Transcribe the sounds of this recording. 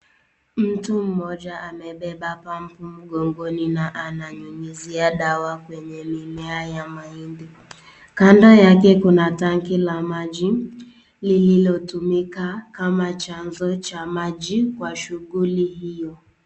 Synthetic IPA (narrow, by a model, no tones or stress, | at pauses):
m̩tum̩mɔd͡ʒaʔamɛbɛbapam̩pum̩ɡɔŋɡoninaʔanaɲuŋiziaɗawakwɛɲɛmimɛajamaindi | kandɔjakɛkunataŋ̩kilamad͡ʒi | lililɔtumikakamat͡ʃan̩zɔt͡ʃamad͡ʒikwaʃuɡuliɦijɔ